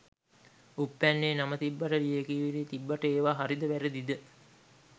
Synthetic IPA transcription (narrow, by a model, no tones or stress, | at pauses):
upːænːeːnamət̪ibːaʈəlijekiːʋiɾiːt̪ibːaʈəeːʋaːɦaɾid̪əʋæɾəd̪id̪ə